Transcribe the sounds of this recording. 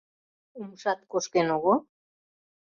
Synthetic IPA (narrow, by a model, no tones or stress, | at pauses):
umsat̪̚koskenoɣo